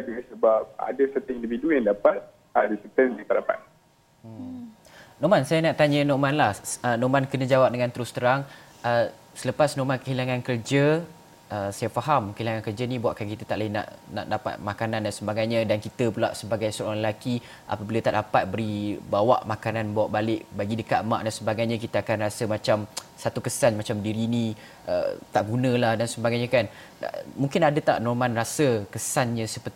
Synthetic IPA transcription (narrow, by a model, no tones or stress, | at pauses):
ad͡ʒuɡasəbap̚a̰dasət̪əindividujaŋdapat̪̚ | adasət̪ənat̪aʔdapa̰t̪̚ | nomansajanaʔt̪aɲənoʔmanlahənomankənə̃d͡ʒawap̚dəŋãnt̪əɾʊst̪əɾaŋ | ə | sələpasnomankəɦilaŋankərd͡ʒə | əsajafaɦamkəɦilaŋankərd͡ʒanĩbuaʔkankit̪ət̪aʔlaina̰ʔna̰ʔdapa̰t̪̚makanandansəbaɡajɲãdankit̪əpulaʔsəbaɡajsəɾaalaki | ʔa̰pəbilat̪aʔdapat̪̚bəɾibawa̰ʔmakananbawaʔbalɪʔbaɡidəkat̪ma̰ʔdansəbaɡajɲãk̬it̪əakanrasəmat͡ʃam | sat̪ukəsanmat͡ʃamdiɾini | ʔə̰t̪aʔɡunə̃lahdansəbaɡajɲãkan̰ | mũŋkɪnadət̪a̰ʔnɔrmãnrasəkəsanɲə̃səpərt̪i